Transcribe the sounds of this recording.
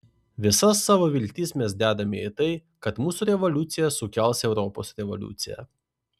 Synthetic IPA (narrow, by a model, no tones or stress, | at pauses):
ʋʲɪsɐsːɑːʋoʋʲɪlʲt̪ʲiːsmʲɛs̬d̪ʲæːd̪ɐmʲɛit̪ɐɪ | kɐt̪muːsuːɾʲɛʋɔlʲʊt̪sʲɪjɛsʊkʲɛˑlˠsʲɛʊɾɔpo̰sɾʲɛʋɔ̰lʲʊ̰t̪sʲɪjɛ̰